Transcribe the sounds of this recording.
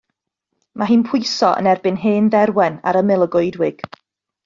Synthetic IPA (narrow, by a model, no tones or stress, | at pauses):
maɦiːnpʰʊjsɔʔə̰nɛrbɨnɦeːnðɛɾwɛna̰ɾəmɪlˠəɡʊjdwɪɡ̥